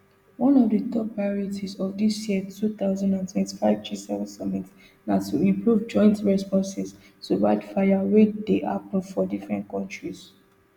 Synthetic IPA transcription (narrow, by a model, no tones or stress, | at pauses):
wɔ̃nɔvdətɔpːɹajɔɹitʰizɔvdisjiətʰut̪aʊzãndãntʰwɛ̃nti̥faɪvd͡ʒisɛvɛ̃nsɔmit | natuĩmpɹuvd͡ʒɔ̃ɪ̃ntɹɛspɔ̃nsɛs | tuɹaɪdfajawedeʔa̰pn̩fɔdifɹɛ̰̃ntkʰɔ̃ntɹis